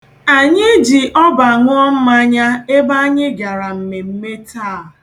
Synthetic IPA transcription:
a˨ɲɪ˦d͡ʒi˨ʔɔ˦ba˨ŋʷʊ˦ɔ˦m̩˦ma˦ɲa˦e˦ba˦ɲɪ˦ɡa˨ɾa˨m̩˨me˨m̩˦me˦ta˦˨

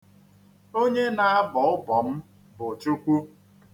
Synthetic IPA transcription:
o˦ɲe˦na˨a˦bɔ˨ʊ˦bɔ˨m̩˦ | bo˨t͡ʃu˦kʷu˦

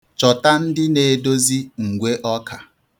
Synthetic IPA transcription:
t͡ʃɔ˨ta˦n̩˦dɪ˦ne˨e˨do˦zi˦ŋ̩˨ɡʷe˦ʔɔ˦kʰa˨

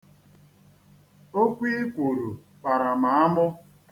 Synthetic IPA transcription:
o˦kʷi˦kʷo˨ɾu˨ | k͡pa˨ɾa˨ma˨a˦mʊ˦

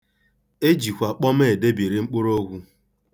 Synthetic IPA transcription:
e˦d͡ʒi˨kʷa˨k͡pɔ˦me˦˨e˨de˦bi˨ɾe˨ŋ͡m̩˦k͡pʊ˦ɾo˦ɡʷu˦

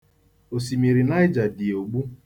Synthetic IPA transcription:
o˨si˨mi˨ɾi˨na˦jɪ˦d͡ʒa˨di˨o˨ɡ͡bu˦

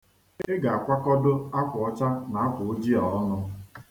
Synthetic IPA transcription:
e˦ɡa˨a˨kʷa˦kɔ˦dʊ˦a˦kʷʊ˨ɔ˦t͡ʃa˦na˨a˦pʊ˨ʊ˦d͡ʒi˦ɔ˨ɔ˦nʊ˦

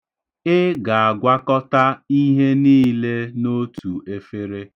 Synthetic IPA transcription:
ɪ˦ɡa˨a˨ɡʷa˦kɔ˦ta˦i˦ɦe˦niː˦le˦no˦tʰu˨e˦fe˦ɾe˦

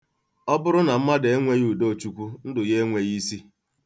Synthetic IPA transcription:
ɔ˦bʊ˦ɾʊ˦na˨m̩˦ma˦de˨e˦ŋʷe˦ju˨do˦˨t͡ʃu˦kʷu˦n̩˦dʊ˨je˦ŋʷe˨ji˦si˦

